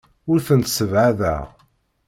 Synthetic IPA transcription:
ʊɾθənt̪səvʕaðæ̰

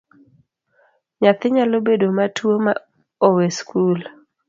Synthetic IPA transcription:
ɲat̪ɪɲalobedomatʰwoma | oweskʰul

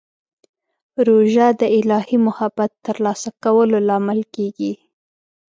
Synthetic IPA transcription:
ɾoʒad̪əɪlɑhimʊhabat̪ːəɾlɑsakawəlolɑmɪlkeɡi

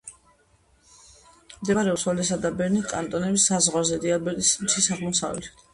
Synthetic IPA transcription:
md̪ɛaɾɛusɔlɛsad̪abɛɾnikʼant̪ʼɔnɛbisːazʁwazɛd̪ialbɛt̪ʼismt̪ʰisaʁmɔsa̰vli

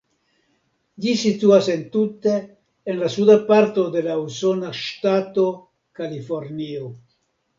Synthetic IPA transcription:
d͡ʒisit̪uasent̪ut̪eː | nlasud̪apaɾt̪od̪elausonaʃt̪at̪o | kalifoɾnio

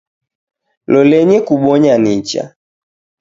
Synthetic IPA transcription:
lɔlɛɲɛkuɓɔɲanit͡ʃa̰

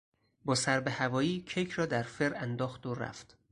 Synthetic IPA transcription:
bɒːsæɾbe̞hævɒːjiːcʰejkʰɾɒːd̪æɾfeɾænd̪ɒːxd̪oɾæ̰ft̪

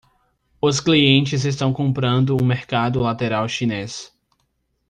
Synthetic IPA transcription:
ʊskliẽnt͡ʃɪzest̪ɐ̃w̃kõmpɾɐ̃nd̪ʊũmeɾkad̪ʊlat̪eɾawʃines

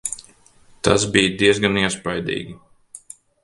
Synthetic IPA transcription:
t̪a̰sbiːjd̪iɛzɡaniɛspajd̪ḭːɡʲi

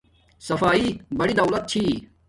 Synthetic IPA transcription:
sɐfaːibɐɽid̪ɐwlɐt̪̚t͡ɕʰiː

